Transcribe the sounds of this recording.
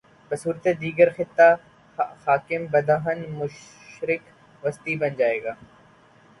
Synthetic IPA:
bɐsuːɾt̪ed̪iːɡəɾxɪt̪ːa | xaːkɪmbɐd̪ʱaːɦənmʊʃ | ʃɾɪk | ʋɐst̪ibɐnd͡ʒaːeːɡaː

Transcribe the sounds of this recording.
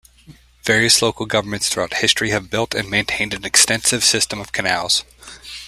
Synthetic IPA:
vɛɹiɨsloʊkl̩ˠɡʌvə˞mɨ̃ntsθɹuaʊt̚hɪstɹ̥iɨvbɪlˠtʰɨ̃nmẽɪ̃ntʰẽɪ̃ndɨ̃nɨkstɛ̃nsɨv̥sɪstɨ̃mʌv̥kʰɨnælˠz̥

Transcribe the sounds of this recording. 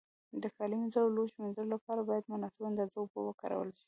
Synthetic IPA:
d̪əxɑlimɪnzaɽoloʃmɪnzalolapɑɾabɑjad̪mʊnɑsɪband̪azaʊbo̰wəkɑ̰ɾa̰wə̰lʃi̥

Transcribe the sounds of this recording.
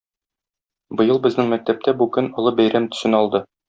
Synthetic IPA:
bɤ̆jɤlˠbɘ̆znɘŋmæk̚t̪æp̚t̪ʰæbukɵnŏlˠɤbæjɾæmt̪ɵ̥̆sɘnɒlˠd̪ɤ

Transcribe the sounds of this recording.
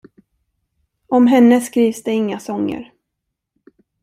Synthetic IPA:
ɔmɦɛnːəskɾiːvsd̪ɛɪŋːasɔŋːə̰ɾ

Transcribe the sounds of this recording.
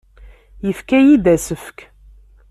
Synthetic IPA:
jəfkæjid̪æsəfk

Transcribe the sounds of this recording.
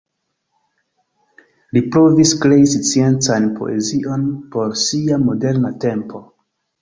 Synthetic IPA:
lipɾo̞viskɾe̞ist͡sie̞nt͡sanpo̞̰ʔe̞ziʔo̞npo̞ɾsiamo̞de̞ɾnate̞mpo̞

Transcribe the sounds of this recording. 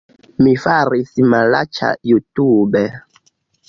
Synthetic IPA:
mifaɾisimalat͡ʃa̰jutubɛ

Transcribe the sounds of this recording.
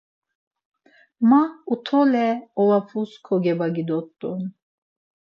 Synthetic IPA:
maut̪ʰɔlɛɔvapʰuskʰɔɡɛbaɡid̪ɔt̪ʼːun

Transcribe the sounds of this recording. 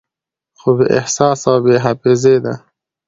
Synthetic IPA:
xobeʔɪ̰hsɑːsawbeɦafezed̪a

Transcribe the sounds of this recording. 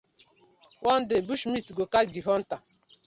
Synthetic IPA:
wʔɔn̩dɪbuʃmistɡokadiɦɔn̩ta

